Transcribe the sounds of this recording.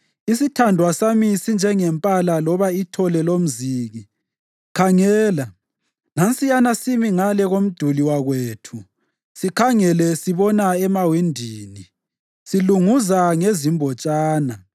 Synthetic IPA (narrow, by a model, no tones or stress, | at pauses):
isitʰandʱwasamisind͡ʒʱɛŋɛmpʼalalɔβaitʰɔlɛlom̩ziːɣi | kʰaŋɛːla | nant͡sʼijanasimiŋalɛɣom̩d̥ʱuliwaɣweːtʰu | sikʰaŋɛlɛsiβɔnaɛmawindʱiːni | siluŋuzaŋezimbʱɔt͡ʃʼaːna